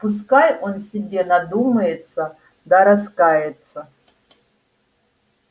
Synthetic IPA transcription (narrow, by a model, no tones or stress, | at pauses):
pus̬kajonsʲibʲenad̪umɐjɪt̪sɐ | d̪aɾaskajɛt̪sɐ